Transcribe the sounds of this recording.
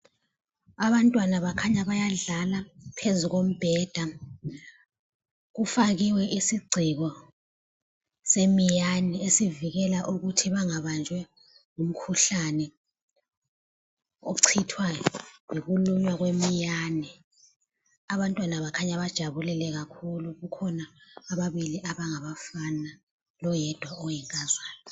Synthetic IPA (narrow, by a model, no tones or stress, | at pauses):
aβantʼwanaβakʰaɲaɓajaɮalapʰezuk̬om̩b̥ʱɛːd̥ʱa | k̬ufak̬iwɛʔisiɡ͡ǀʱiɣ̬ɔ | semijaniesiviɣ̬ɛlaʔuk̬utʰiβaŋaɓand͡ʒʱwɛ | ŋum̩kʰuɬanɛ | oǀʰitʰwajok̬uluɲwak̬wemijanɛ | aɓantʼwanaɓakʰaɲaɓad̥ʒ̥ʱaβulɛlɛk̬akʰuluk̬ukʰɔnaːɓaɓiliʔaɓaŋaɓafana | lɔjɛd̥ʱwaɔjɛŋkʼazaːlɔ